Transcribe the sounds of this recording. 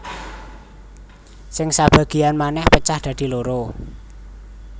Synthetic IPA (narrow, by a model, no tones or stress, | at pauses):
sɪŋsab̥ä̤ɡ̥i̤anmanɛhpət͡ʃahd̪̥a̤d̪̥i̤loɾo